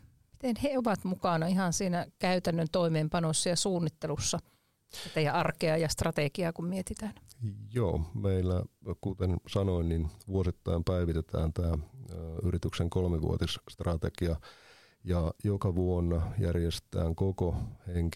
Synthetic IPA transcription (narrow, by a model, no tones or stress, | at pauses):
mi̥t̪enheoʋɑt̪mukɑˑnɑihɑnsiːnækæyt̪ænːønt̪oimeːmpɑnosːɑjɑsuːnːit̪ːelusːɑ | sit̪æjɑʔɑrkeɑjɑst̪rɑt̪ekiɑːkummiet̪it̪æːnjo̰ːmeilːæ̰kut̪ensɑnoinninʋuosit̪ːɑ̰impæiʋit̪et̪æ̰ːnt̪æː | yɾit̪ykseŋkolmeʋṵo̰t̪isst̪rɑt̪ḛɡ̥iɑ | jɑjokɑʋuonːɑjærjest̪æ̰ːŋkokoheŋk